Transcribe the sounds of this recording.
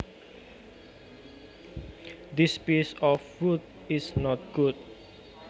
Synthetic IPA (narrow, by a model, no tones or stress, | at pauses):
d̪ispisɔfːut̚ | isnɔt̚ɡ̥ut̚